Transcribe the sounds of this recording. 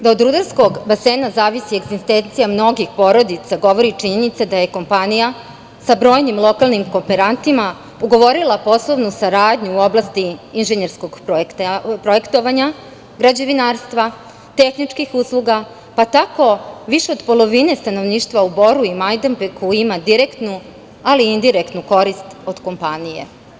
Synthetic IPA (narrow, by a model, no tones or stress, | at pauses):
d̪aod̪ɾud̪aɾsko̞ɡbaseːnazaːʋisieɡzist̪ent̪sijamno̞ɡixpo̞ɾo̞d̪it̪saɡo̞ʋo̞ɾit͡ʃiɲenit̪sad̪aje̞ko̞mpanija | sabɾo̞ːjnimlˠo̞kalˠnimko̞mpeɾant̪ima | uɡo̞ʋo̞ɾilˠapo̞slˠo̞ʋnusaɾaːd̪ɲuːo̞blˠast̪iinʒeɲeɾsko̞ɡpok̪pɾo̞e̞kt̪o̞ʋaɲa | ɡɾad͡ʑe̞ʋinaːɾst̪ʋa | t̪exnit͡ʂkixuslˠuɡa | pat̪ako̞ʋiʃe̞o̞d̪po̞lˠo̞ʋine̞st̪ano̞ʋniːʃt̪ʋaubo̞ɾuimajd̪empekuimad̪iɾe̞kt̪nu | aliind̪iɾe̞kt̪nuko̞ɾist̪o̞d̪̥ko̞mpanije̞̰